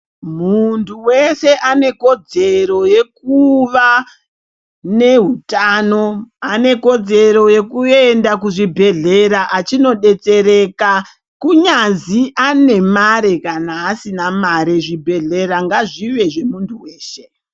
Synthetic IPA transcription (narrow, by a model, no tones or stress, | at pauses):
muntʰuwe̞se̞ʔane̞ko̞d͡ze̞ɾo̞je̞kuʋa | ne̞ɦutaːno̞ane̞ko̞d͡ze̞ɾo̞je̞kuendakuʐibʱe̞ɮe̞ɾaʔat͡ʃino̞ɗe̞t͡se̞ɾeka | kuɲanziʔane̞maɾe̞kanaːsinamaɾeʐibʱe̞ɮe̞ɾaŋɡaʐiʋe̞ʐe̞muntʰuweːʃe̞̥